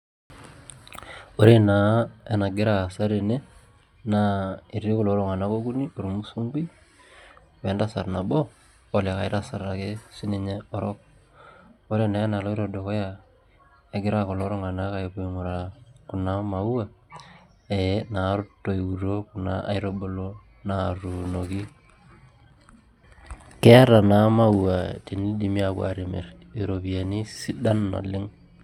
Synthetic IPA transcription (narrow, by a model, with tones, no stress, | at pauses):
o˦ɾe˦na˨˦e˦na˨ɡɪ˦ɾa˨sa˦ɾe˨ne˦ | na˦i˨ɾi˦ko˨lo˨˦ɾo˦˨ŋa˨na˦ko˦ɡu˦ni˦o˨ɾu˨mu˦su˦ŋɡi˦ | wɛ˨˦nda˦sa˨ɾna˨bɔ˦ | o˨la˨ka˨ɪ˦ɾa˨sa˨ra˨ke˦si˦ni˨ɲɛ˦ɔ˨ɾɔ˦k̚ | o˦ɾe˦na˨ɛ˦na˨lo˦i˦ɾo˨do˨kɔ˦ja˨ | e˨ɡɪ˦ɾa˦˨ko˨lo˦ɾɔ˦ŋa˨na˦ka˨e˨po˦˨ŋu˨ɾaku˨na˦ma˨wwa˦˨ | e˨˦na˨˦ɾʊ˦tːo˨i˨u˨ɾo˦ku˨na̰˦a̰˨jɾo˦bo˦lo˦ | na˨ɾu˨no˨ki˦ | kɛ˦ɾa˨na˨˦ma˦wwa˨ti˨ni˦di˨mi˦a˨kwa̰˨ɾi˨mḛ˨r | i˨ɾo˨βie˨ni˦si˦da˦nːo̰˨lɪ˦ŋ